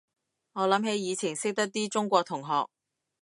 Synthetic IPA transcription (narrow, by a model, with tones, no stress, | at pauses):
ŋɔː˨˧lɐ˨˥mhe˨˥jiː˨˧t͡sʰɪ˨˩ŋsɪ˥k̚t̪ɐ˥t̚t̪iː˥t͡ʃʊ˥ŋkʷɔː˧t̪ʰʊ˨˩ŋɦɔː˨k̚